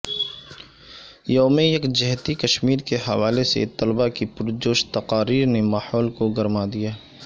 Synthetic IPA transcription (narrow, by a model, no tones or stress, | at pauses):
joːmejɐkd͡ʒɛɦt̪ikɐʃmiːɾkeɦɐʋaːlesḛt̪ɐlbakipʊɾd͡ʒoːʃt̪ɐqaːɾiːɾnemaːhɔːlkoɡɐɾmad̪ijaː